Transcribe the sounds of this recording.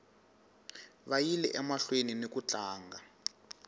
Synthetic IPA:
βajilɛ̰ʔɛmaɬweninekut͡ɬʼaːŋɡa

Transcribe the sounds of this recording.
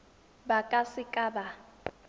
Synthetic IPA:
bakʼasɪkʼaːba

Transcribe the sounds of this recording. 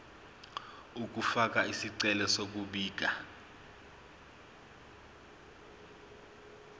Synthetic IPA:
uk̬ʼufak̬ʼaisiǀɛlɛsok̬uɓiːk̬ʼa

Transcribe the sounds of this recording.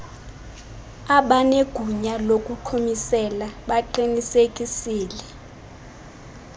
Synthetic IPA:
aɓaneɡ̥ʱuɲalokʼuǃʰumisɛlaɓaǃinisekʼisiːlɛ

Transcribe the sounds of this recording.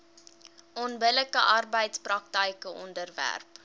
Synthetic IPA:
ʔɔnbələkəʔɑrbəjtsprɐk̚təjkəʔɔndərvæ̰rp

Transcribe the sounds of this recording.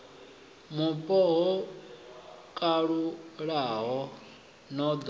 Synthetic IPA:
mupʼɔɦɔ | kʼaɺuɺaɦɔ | nɔd̪

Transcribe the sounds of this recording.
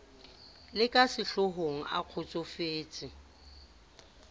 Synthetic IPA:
lɪkʼasɪɬʊɦoŋ̩a̰q͡χʰʊt͡sʼʊfeːt͡sʼɪ

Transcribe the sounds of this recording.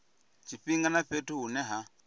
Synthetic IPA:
t͡ʃʰiɸiŋɡanaɸetʰuɦunɛɦa

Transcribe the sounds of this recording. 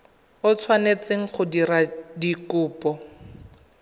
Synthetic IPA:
ʊt͡sʰwanet͡seŋ̩χʊdiɾadikʊːpɔ

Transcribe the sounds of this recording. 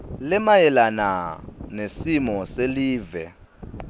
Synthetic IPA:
lɛmajɛlana̰nesimɔseliːvɛ

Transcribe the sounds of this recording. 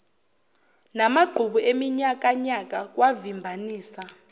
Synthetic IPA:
namaɡ͡ǃʱuɓuʔemiɲak̬ʼaɲak̬ʼak̬wavimbʱaniːsa

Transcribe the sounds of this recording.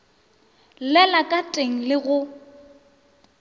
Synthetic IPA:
lɛlakʼatʼeŋ̩lɪɣʊ

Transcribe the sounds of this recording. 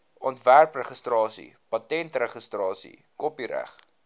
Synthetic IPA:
ɔntværprəχəstrɑːsḭpɐtɛntrəχəstrɑːsḭkɔpiɾæ̰χ

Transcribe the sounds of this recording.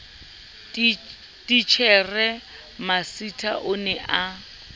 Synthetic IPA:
tit͡ʃʰɛrɛ | masitʰʼa̰ʔʊnɛʔa

